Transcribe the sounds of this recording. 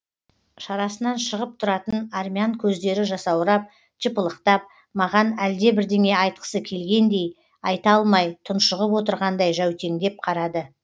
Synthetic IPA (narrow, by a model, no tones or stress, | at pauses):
ʃɑɾɑsənɑnʃəʁəp̚t̪ʰʊɾɑt̪ənarmʲiaŋkʲʰɵzd̪e̞ɾɪʒɑsɑwɾɑp̚ | ʒ̥əpəlˠəqt̪ɑp̚ | mɑʁɑnæld̪e̞bɪɾd̪e̞ŋe̞ɑjt̪̚qə̥səkʲʰe̞lɡʲe̞nd̪e̞j | ɑjt̪ɑlˠmɑjt̪ʰʊnʃəʁəpwo̞t̪̬əɾʁɑnd̪ɑjʒæwt̪e̞ŋd̪e̞p̚qʰɑɾɑd̪ə